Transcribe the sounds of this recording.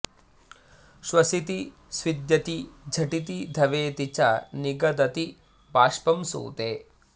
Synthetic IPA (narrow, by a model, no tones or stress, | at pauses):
ʃwɐsit̪i | sʋid̪jɐt̪id͡ʒʱɐʈit̪id̪ʱɐʋeːt̪it͡ʃaniɡɐd̪ɐt̪i | baːʃpɐmsṵːt̪eː